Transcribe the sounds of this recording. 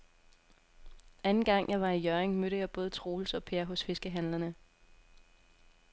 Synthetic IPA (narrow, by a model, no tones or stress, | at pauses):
ænn̩ɡ̥ɑ̈ŋ̰jɑ̈ɪʋɑ̈ijœɐeŋmøɾ̥əjɑ̈ɪb̥ɔ̽ːð̞̩ˠt͡sʰʁo̝ːl̩sɒ̽pʰeɐɦɔ̽sfe̝sɡ̥əɦæn̰lɐnə